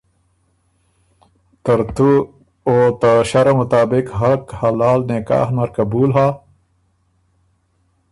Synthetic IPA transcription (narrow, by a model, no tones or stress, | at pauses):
t̪ɐɾt̪u | oːt̪aɕɐɾamut̪aːbikɦɐlkhɐlaːlneka̰ːhnɐɾkɐbuːlɦaː